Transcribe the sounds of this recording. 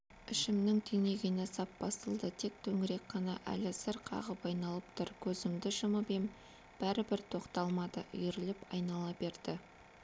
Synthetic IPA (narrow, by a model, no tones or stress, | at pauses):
ɪʃɪmnɪŋt̪ʰene̞ɡʲɪnesɑp̚bɑst̪əlˠd̪ət̪ʰe̞k̚t̪ʰɵŋɪɾe̞k̚qɑnɑʔæ̰lɪsɪɾqʰɑ̰ʁəpɑjnɑlˠəp̚t̪ʰʊɾkʲʰɵzɪmd̪ɪʃəməbem | b̥æɾɪbɪɾt̪ʰo̞qt̪ɑlˠmɑd̪ə̰ʔʏ̰jɪɾɪlɪpɑ̰jnɑlˠɑbe̞ɾd̪ɪ